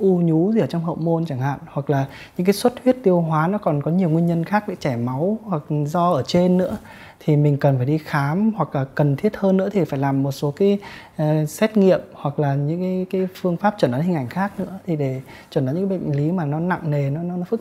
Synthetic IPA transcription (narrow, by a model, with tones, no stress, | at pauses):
ʔu˧ɲu˨˦zi˨ʔəː˧˩t͡ɕɔ˧wŋ͡mɦə̰˧˨wmo˧nt͡ɕa˧˩ŋha̰ː˧˨nhwa˨˩k̚laː˨˩ | ɨ̰˧˥ŋkaː˨˦jswə˦˥t̚hwi˦˥ət̚t̪i˧əwɦwaː˨˦nɔ˨˦kɔ˨˩nkɔ˨˦ɲi˨˩əwŋi˧əɲə˧nxaː˦˥k̚ɗa̰˧˦t͡ɕɛ˧˩ma˨˦whwa˨˩k̚zɔ˧ʔəː˧˩t͡ɕe˧nːɨ̰˧˥ə | t̪ʰi˨˩mi˨˩ŋ̟kə˨˩nfaː˧˩jɗi˧xaː˨˦mhwa˨˩k̚laː˨˩kkə˨˩nt̪ʰi˦˥ət̚həː˧nːɨ̰˧˥ət̪ʰi˨˩faː˧˩jlaː˨˩mːo˨˩t̚so˨˦kaː˨˦jː | sɛ˦˥t̚ŋḭ˧˨əmhwa˨˩k̚laː˨˩ɲɨ̰˧˥ŋkaː˨˦jkaː˨˦jfɨ˧əŋfaː˦˥p̚t͡ɕəː˧˩nɗaː˨˦hï˨˩ŋʔjŋ̟xaː˦˥k̚nɨ̰˧˥ət̪ʰi˨˩ɗe˧˩ | t͡ɕə˧˩naː˨˦ɲɨ̰˧˥kːɓə̰˧˨ŋ̟li˨˦maː˨˩nɔ˨˦na̰˧˨ŋne˨˩nɔ˨˦nɔ˨˦nɔ˨˦fɨ˦˥k̚